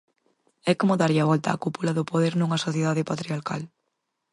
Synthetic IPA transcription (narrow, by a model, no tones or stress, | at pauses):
ɛkomʊðaɾaβɔlt̪a̰ːkupulaðʊpoðeɾnuŋɐsoθjeðaðɪpat̪ɾiaɾkal